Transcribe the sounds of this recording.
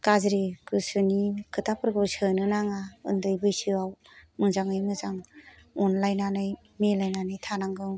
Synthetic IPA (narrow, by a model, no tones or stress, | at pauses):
kazɾikʰɯsɯnikʰɯtapʰɯɾɡɯwsɯnɯnaŋaɯ̰ndɯjbɯjsɯaw | mɯŋzaŋɯjmɯzaŋ | unlajnanɯj | melajnanɯjtʰanaŋɡɯw